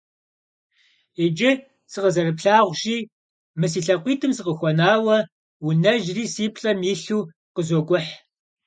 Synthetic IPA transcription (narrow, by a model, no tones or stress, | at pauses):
ed͡ʒɪ | sɨqəzɐrɨpɬaːʁʷʒiː | mɨs̬iːɬɐqʷiːtʰɨmsɨqəxʷɔnaːwɐ | wunɐʒriːsiːpʰɬʼɐmiːɬuː | qəzoɡʷʊħ